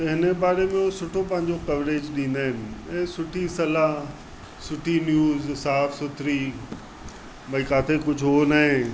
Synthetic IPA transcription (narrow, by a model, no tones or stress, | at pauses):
tt̪ɐɦɪnəbaːɾemẽosʊʈʰop̬ɐ̃ɦɪ̃ɲ̆d͡ʑokɐʋɾeːd͡ʑɗĩːnd̪aːɦɪnɪ̆ɛ̃ːsʊʈʰisɐla | sʊʈʰinjuːzsaːfsʊt̪ʰɾi | bɐikaːt̪ʰekʊd͡ʑʱɦonaɦẽ